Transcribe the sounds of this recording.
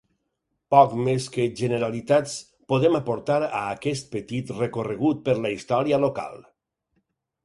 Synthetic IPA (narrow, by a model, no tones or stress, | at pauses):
pɔkmeskəʒənəɾalit̪at͡s | poðemapoɾt̪aɾa̰ːkɛst̪̚pət̪it̪rekorəɣut̪̚pəɾləist̪ɔɾiəloka̰lˠ